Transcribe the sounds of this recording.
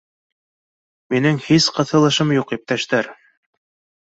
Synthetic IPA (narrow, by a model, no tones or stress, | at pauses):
minɘŋhisqɤ̆θɤ̆lˠɤ̆ʃɤmjuqjæp̚t̪æʃt̪æɾ